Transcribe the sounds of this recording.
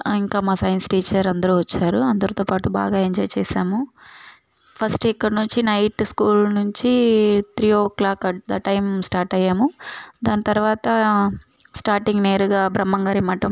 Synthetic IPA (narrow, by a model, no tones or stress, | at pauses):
iŋkaːmaːsɐjɐnsʈiːt͡ʃɐɾɐnd̪ɐɾuːʋɐt͡ʃːaːɾuɐnd̪ɐɾut̪oːpaːʈuba̰ːɡaːeɲd͡ʒɔːjt͡ʃɛːsaːmu | pʰɐsʈikːɐɽɐnuɲt͡ʃinɐjʈskuːlnuɲt͡ʃit̪ɾiːoːklaːkɐd̪ɐʈɐjmsʈaːɾʈɐjːaːmud̪aːnit̪ɐɾuʋaːt̪ɐ | sʈaːɾʈiŋɡneːɾuɡaːbɾɐmːɐŋɡaːɾimɐʈɐm